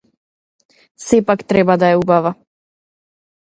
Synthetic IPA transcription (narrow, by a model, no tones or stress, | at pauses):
sɛpakt̪ɾɛbad̪aɛubava